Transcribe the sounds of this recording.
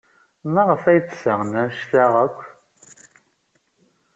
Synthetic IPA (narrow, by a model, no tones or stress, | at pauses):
mæʁəfæjt͡ssəʁnæʃθæʁəkʷː